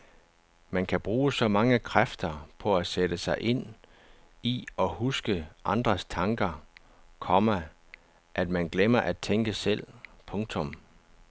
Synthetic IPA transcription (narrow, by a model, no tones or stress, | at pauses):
mænkʰæb̥ʁuːsɒ̽mɑ̈ŋəkʰʁafd̥ɐpʰɒ̽æseɾəsɑ̈ɪʔe̝n̰ | iɒ̽husɡ̥əʔɑ̈nd̥ʁɐst͡sʰɑ̈ŋɡ̥ɐ | kʰɒ̽mæ | ʔæd̥mænɡ̥lemɐʔæ̥t͡sʰeŋɡ̥əsel̰pʰɔ̽ŋt͡sʰɔ̽m